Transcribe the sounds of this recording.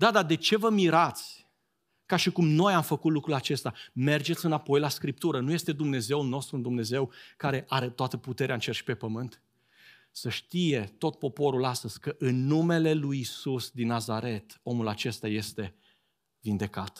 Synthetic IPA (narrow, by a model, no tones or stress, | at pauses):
d̪ad̪ad̪e̞t͡ʃe̞vəmiɾat̪sʲ | kaʃikumno̞jamfəkut̪lukɾulat͡ʃe̞st̪ame̞rd͡ʒe̞t̪sʲɨnapo̞jlaskɾip̚t̪uɾənuje̞st̪e̞d̪umne̞ze̞ulno̞st̪ɾund̪umne̞ze̞wkaɾe̞ʔaɾet̪oat̪əput̪e̞ɾeaɨnt͡ʃe̞rʃi̥pe̞pəmɨnt̪ | səʃt̪ije̞t̪o̞t̪̚po̞po̞ɾulast̪əz̥ʲkəʔɨnːume̞le̞lujisusd̪inːazaɾe̞t̪o̞mulat͡ʃe̞st̪aje̞st̪e̞ | vind̪e̞kat̪